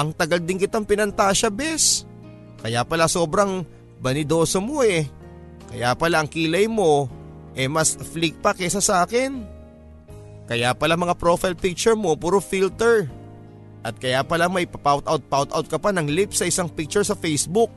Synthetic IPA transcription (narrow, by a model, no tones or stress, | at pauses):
ʔɐŋt̪ɐɡɐl̚d̪ɪŋkɪt̪oŋpɪnɐnt̪aːʃɐbɛs | kɐjapɐlaso̞ːbɾɐŋ | bɐnɪd̪o̞ːsomo̞ʔɛ | kɐjapɐlaʔɐŋkilɐjmo̞ | ʔɛmɐsflik̚pɐkɛsɐsaːkɪn | kɐjapɐlaŋmɐŋapɾo̞fajlpik̚t͡ʃɛɹmo̞puːɾofilt̪ɛɹ | ʔɐt̪̚kɐjapɐlamɐjpɐpawt̪ʔawt̪̚pawt̪ʔawt̪̚kɐpanɐŋlipsɐʔɪsaŋpik̚t͡ʃʊɹsɐfɛjsbʊk̚